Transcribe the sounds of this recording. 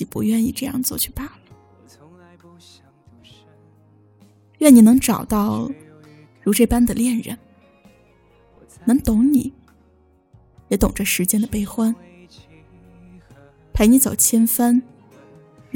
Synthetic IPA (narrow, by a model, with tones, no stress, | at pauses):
i˨˩pṵ˧˥ɥɛ˥˧nḭ˥˧ʈ͡ʂɤ˥˧jɑ̰˥˧ŋt͡swɔ˥˧t͡ɕʰy̥˥˧pa˥˩lə˩ | ɥɛ˥˩ni˨˩nɤ˧˥ŋʈ͡ʂɑ˨˩ʊt̪ɑ˥˩ʊ | ɻu˧˥ʈ͡ʂɤ˥˩pa˥nd̪ə˨ljɛ˥˩nɻə̰˧˥n | nɤ˧˥ŋt̪ʊ˧˥ŋni˨˩˦ | jɛ˧˥t̪ʊ˨˩ŋʈ͡ʂə˧˩ʂɻ̩˧˥t͡ɕjɛ˥nd̪ə˨pe˥ɪxwa˥n | pʰa˧˥ɪni˧˥t͡so˨˩ʊt͡ɕʰjɛ˥nfə˥n